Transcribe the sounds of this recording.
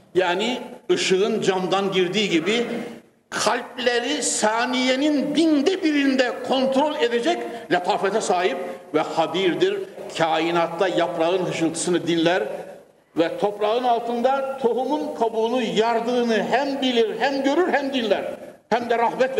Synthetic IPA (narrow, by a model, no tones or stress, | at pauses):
jaːniɯʃɯɯnd͡ʒamd̪anɟiɾd̪iːɟibi | kʰalʲp̚lʲeɾisaːnijenind̪ind̪ɛbiɾind̪ɛkʰo̞nt̪ɾolʲed̪ed͡ʒɛclʲɛp̪ʰafɛt̪ʰɛsaːɦip̚vɛhad̪iɾd̪iɾcʰaːinat̪ʰlˠajapɾaɯnɦɯʃɯlˠt̪ʰɯ̥sɯnɯd̪inlʲæɾ | vɛt̪ʰo̞pɾaɣɯnalˠt̪ʰɯnd̪at̪ʰo̞ɦumunkʰabuːnɯjaɾd̪ɯːnɯɦæmbilʲiɾɦæmɟøɾyɾhæmd̪inlʲæɾ | hæmd̪ɛɾahbɛt̪